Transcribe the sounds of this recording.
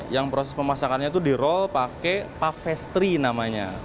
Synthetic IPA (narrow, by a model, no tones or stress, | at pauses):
jaŋpɾosɛspəmasakat̪ɲat̪̬udiɾɔlpakepafɛst̪ɾinamaɲa̰